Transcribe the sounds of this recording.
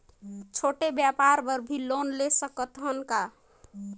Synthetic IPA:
t͡ʃʰoʈebjapaɾbəɾbʱilonlesəkət̪ɦənka

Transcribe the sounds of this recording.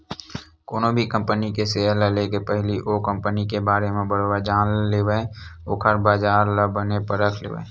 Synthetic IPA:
koːnobʱikə̃mpənikeseːəlalekepɛɦliʔoːkə̃mpənikebaːɾemẽbəɽwad͡ʒaːnleːweoːkʰəɾbaːd͡ʒaːɾlabənepəɾəkʰlḛːʋḛː

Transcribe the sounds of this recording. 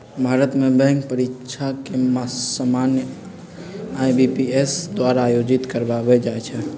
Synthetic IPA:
bʱaɾət̪mebɛ̃ŋk̚pəɾit͡ʃʰakemasamanjə | ajbipiesd̪waɾaːjod͡ʒit̪kəɾbabɛd͡ʒaɛt͡ʃʰɛ

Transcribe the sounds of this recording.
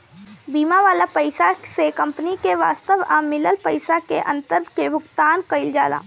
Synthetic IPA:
biːmaʋaːlapəɪsasekɐ̃mpnikeʋa̰ːst̪əʋaːmɪləlpəɪsakeʔɐ̰̃nt̪əɾkebʱʊkt̪aːnkɐɪld͡ʒaːla̰ː

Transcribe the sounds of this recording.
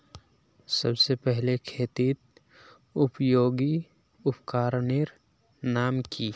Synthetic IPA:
sɐbsepɛɦlekʰeːt̪iːt̪̚ | ʊpjoːɡi | ʊpkaːɾnɪɾ | naːmki

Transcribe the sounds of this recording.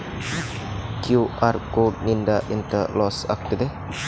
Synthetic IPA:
kjuarkod̚nindaʔint̪əlɔsa̰k̚t̪id̪e

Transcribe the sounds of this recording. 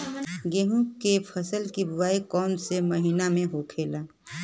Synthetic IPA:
ɡeːɦũkepʰəsəlkibʊwaːikɔːnseməɦiːnamẽɦokʰeːlaː

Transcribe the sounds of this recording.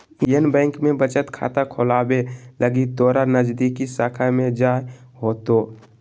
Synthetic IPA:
ijənbɛ̃ːŋkmẽbət͡ʃət̪kʰa̰ːt̪akʰoːlaːbeləɡid̪ɔːɾanəd͡ʒd̪ikisaːkʰamẽd͡ʒaːjɦoːt̪o

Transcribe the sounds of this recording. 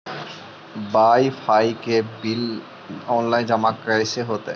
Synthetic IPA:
bajfʰajkebil | ɔnlajd͡ʑamakɾaeʃeɦot̪e

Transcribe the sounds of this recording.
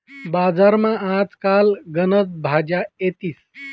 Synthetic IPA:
bad͡zaɾmããt͡skalɡənət͡sbʱad͡ʑaet̪iːs

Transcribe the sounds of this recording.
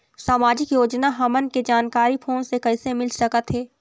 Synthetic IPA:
saːmaːd͡ʒɪkjoːd͡ʒnaɦɐmənked͡ʒaːnkaːɾipʰoːnsekɐɪsemɪlsɐkət̪ɦɛː

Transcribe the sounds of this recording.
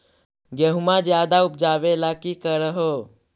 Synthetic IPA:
ɡəɦumad͡ʒjaːd̪aʊp̚d͡ʒaːʋelakikəɾəɦo

